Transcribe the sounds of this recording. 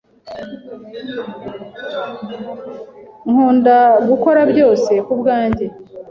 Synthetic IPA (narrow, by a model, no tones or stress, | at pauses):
ŋhuːndaɡuko̞ɾabɟo̞ːse̞kubɡaːɲɟe̞